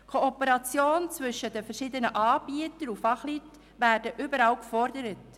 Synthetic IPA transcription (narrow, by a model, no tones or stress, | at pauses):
kʰoɔpəɾɑt͡sjoːnt͡svʏʃəd̥əfɛɾʃiːdənəʔɑːbiətəɾufɑχlyːt | væːɾd̥əʔʏbəɾɑlkfɔɾdəɾət